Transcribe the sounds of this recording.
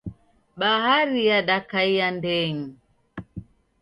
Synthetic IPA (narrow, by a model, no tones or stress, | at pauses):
ɓaɦaɾijaɗakaijandɛŋ̩